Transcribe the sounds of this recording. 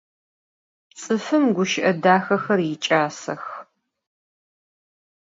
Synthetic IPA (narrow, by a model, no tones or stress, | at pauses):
t͡sʼɨfɨmɡʷʊʃɪʔɐdaːxɐxɐrjɪt͡ʃʼaːsɐ̰x